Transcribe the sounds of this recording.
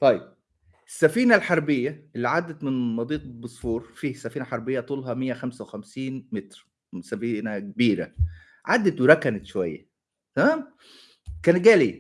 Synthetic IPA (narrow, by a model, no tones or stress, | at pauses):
t̪ˤɑjːeb̚ | esːæfiːnælħɑɾˤbejːæʔelːiʕad̪ːæt̪mɪnmɑd̪ˤiːq̪besˤfuːɾfiːhsːæfiːnæħɑɾˤbejːæt̪ˤuːlɦɑmejːæxæmsæwexæmsiːnmet̪ɾ | sæfiːnæk̚biːɾæ̰ | ʕad̪ːæt̪weɾˤækænet̪ʃowæjːæ̰ | t̪æmæːm | kæːnt̪̚ɡæːli